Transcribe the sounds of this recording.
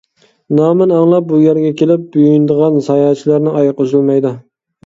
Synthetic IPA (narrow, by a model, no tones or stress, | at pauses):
nɑːmɪnɑŋlˠɑp̚bujæɾɡʲɛkʲʰelɪp̚byjynd̪əʁɑnzɑjɑt͡ʃʰilæɾnɪʔɑjqozɨlˠmɑjd̪u